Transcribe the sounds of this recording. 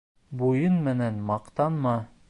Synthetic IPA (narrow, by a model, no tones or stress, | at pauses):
bujɤnmɘ̆nænmɑqt̪ɑnmɑ